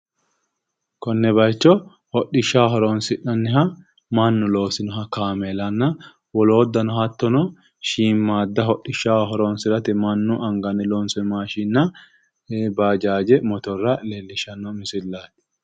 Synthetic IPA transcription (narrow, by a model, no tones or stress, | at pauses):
kɔnːɛbɐjt͡ʃːɔ | hɔɗɪʃːaːɦɔɾɔnsɪᶑɐnːɪɦɐ | mɐnːʊlo̞ːsɪnɔɦɐkaːmɛlɐnːɐ | wɔloːd̪ːɐnɔhɐt̪ːɔnɔ | ʃiːmːaːd̪ːɐɦɔɗɪʃːaːwɦɔɾɔːnsɪɾɐt̪ɪmɐnːʊʔɐŋɡɐnɛlɔnsɛmaːʃinːɐ | baːd͡ʒaːd͡ʒɛmɔt̪ɔrːɐlelːɪʃɐnːɔmɪsɪlːaːt̪ɪ̥